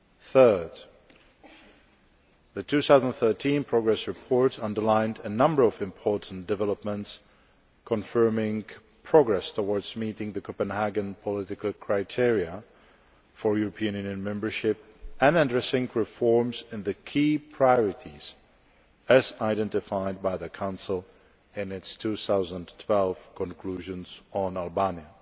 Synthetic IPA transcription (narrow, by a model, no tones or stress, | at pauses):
θɜ˞d | ðɨtʰʉθaʊznθɜ˞tʰĩnpʰɹ̥ɔɡɹɛsɹɨpʰɔɹtʌ̃ndə˞lãɪ̃ndɨnʌ̃mbə˞ʌvɨ̃mpʰɔɹʔn̩d̥ɨvɛləpmə̃nts | kʰə̃nfɜ˞mɪ̃ŋ | pʰɹ̥ɔɡɹɛstʰəwɔɹdzmiɾɪ̃ŋðɨkʰɔpə̃nhæɡɨ̃npʰəlɪɾɪkəl̩ˠkʰɹ̥aɪtʰɪɹiə | fə˞juɹɔpʰiɨ̃njʉ̃njɨ̃nmɛ̃mbə˞ʃɪp̚ | ɨ̃nɨ̃dɹɛsɪ̃ŋkɹɪfɔɹmzɪ̃nðɨkʰiːpʰɹ̥aɪjɔɹɪɾiz̥ | ɨzaɪdɛ̃ntɨfaɪd̚baɪðɨkʰãʊ̃nsl̩ˠ | ɪ̃nɪtstʰuθaʊzə̃ntʰw̥ɛlˠv̥kʰə̃nkʰl̥uʒɨ̃nz̥̃nælˠbanjə